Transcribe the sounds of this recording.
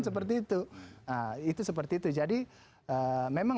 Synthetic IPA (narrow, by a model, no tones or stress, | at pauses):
nsəp̬ərt̪iːt̪uəit̪usəp̬ərt̪iːt̪ud͡ʒadi | əmemaŋ